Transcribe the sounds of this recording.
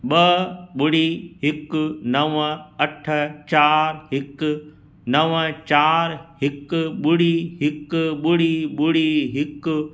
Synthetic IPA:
ɓɐɓʊɽiɦɪknɐʋəɐʈʰt͡ɕaːɾɦɪk | nɐʋət͡ɕaːɾɦɪkɓʊɽiɦɪkɓʊɽiɓʊɽiɦɪk

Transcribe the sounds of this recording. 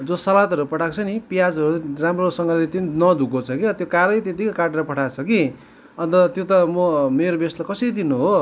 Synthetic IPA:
d͡zosʌlat̪ɦʌɾupʌʈʰakt͡sʰʌnipijad͡zʌɾuramrosʌŋɡʌllet̪ennʌd̪ʱukot͡sʰʌkit̪jokaɾʌjt̪et̪ikakaʈeɾʌpʌʈʰat͡sʰʌki | ʌnt̪ʌt̪jot̪ʌmʌmeɾobeslakʌsʌɾid̪inuɦo

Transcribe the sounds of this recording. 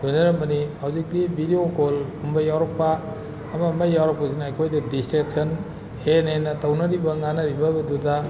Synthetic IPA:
lojnɐɾɐmbɐnihawzik̚dibʱidiokolhumbɐjawɾɐk̚pɐː | mɐmɐjːawɾɐpɐzinaːjkʰojdɐdistɾek̚sɐn | henenːɐtɐwnɐɾibɐŋanɐɾibɐbɐdudɐ

